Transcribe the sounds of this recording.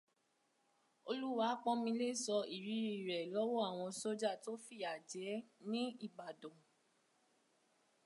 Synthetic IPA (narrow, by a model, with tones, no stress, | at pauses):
o˧lu˦wa˧˦k͡pɔ̃˦mĩ˧le˦˨sɔ˧i˨ɾi˨˦ɾi˨ɾɛ˨lɔ˦wɔ˦a˦˨w̃ɔ̃˧so˦d͡ʒa˦˨to˦fi˦˨a˨d͡ʒɛ˨˦nĩ˦i˦˨ba˨dɔ̃˨